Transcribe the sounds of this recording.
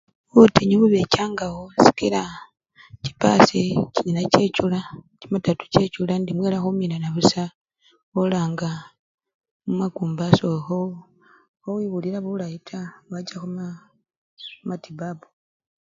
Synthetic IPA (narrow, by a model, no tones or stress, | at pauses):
βutʰeɲoβuβecaːŋɡawosi̥kiɾa | ci̥pa̰siciɲinace̞culacimatatu̥ce̞t͡ʃulandimwe̞ːlaxuminanaβusa | olaːŋɡa | mumaɡuːmbasoxo | owiβuliɾaβulajitʰawad͡ʒaxum | matibabu̥